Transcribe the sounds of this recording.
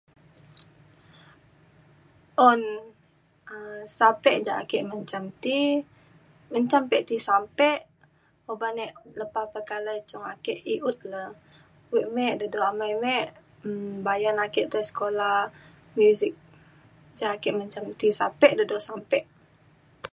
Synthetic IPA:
ʔɔn | əsapɛʔd͡ʒaʔakɛʔməɲt͡ʃamt̪i | məɲt͡ʃampɛʔt̪isampɛʔ | obanɛʔləpahpəkalat͡ʃɔŋakɛʔiʔut̪̚la | wiʔmɛʔdədoamajmɛʔ | bajanakɛʔt̪əsə̥kola | mjuzik̚ | d͡ʒaakɛʔməɲt͡ʃamt̪isapɛʔdədosampɛʔ

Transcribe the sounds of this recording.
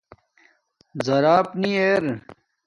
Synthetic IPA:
zɐɾaːpnieːɾ

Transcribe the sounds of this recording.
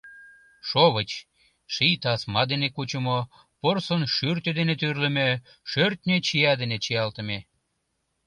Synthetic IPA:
ʃoβət͡ɕ | ʃijt̪ɑsmɑd̪enekut͡ɕə̆mo | porsənʃyrt̪ed̪enet̪yrlə̆mø | ʃørt̪ʲnʲet͡ɕijɑd̪enet͡ɕiɑlt̪ə̆me

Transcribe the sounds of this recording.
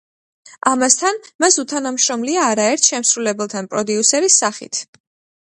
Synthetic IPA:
ʔamast̪ʰanmasut̪ʰanamʃɾɔmliaːɾaɛɾt̪ʰʃɛmsɾulɛbɛlˠt̪ʰanpʼɾɔd̪iusɛɾisːaχḭt̪ʰ

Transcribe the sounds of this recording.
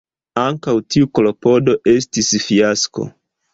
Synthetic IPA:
aŋkawtiukolo̞po̞do̞ʔe̞stisfiasko̞̰

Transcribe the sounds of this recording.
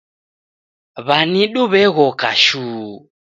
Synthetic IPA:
βaniɗuβɛɣɔkaʃuː

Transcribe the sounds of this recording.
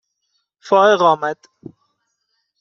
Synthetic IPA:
fɒːeɣɒːmæd̪̥

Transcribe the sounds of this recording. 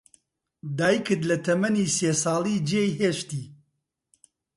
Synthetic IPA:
d̪aːikʰɨd̪lɐt̪ʰɐmɐniːseːsɑːliːd͡ʒeːjɦeːʃt̪iː

